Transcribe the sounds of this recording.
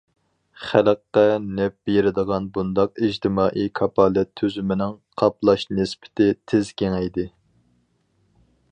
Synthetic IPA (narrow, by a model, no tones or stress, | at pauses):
χæləqːɛnɛp̚bejeɾɪd̪əʁɑnbund̪ɑq̚id͡ʒt̪ʰɪmɑːʔikʰɑpʰɑlˠɛt̪ʰːøzymɪnɪŋqʰɑplˠɑʃnɪspɪ̥t̪ʰɪt̪ʰɪzkʲeŋɛjd̪ɪ